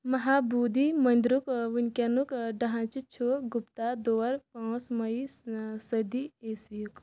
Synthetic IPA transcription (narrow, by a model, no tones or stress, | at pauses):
mɐɦaːbuːd̪imɐnd̪ɾukʋunʲkʲɐnukɖɐɦãːt͡ʃit͡ʃʰoɡupt̪ad̪oːwɐɾpãːsmɐisɐd̪ieːsʋijuk